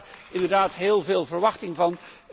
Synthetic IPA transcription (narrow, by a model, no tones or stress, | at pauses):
ɪndəɹdaːtɦɪːlˠveːlˠvəɹʋɑχtɪŋvɑn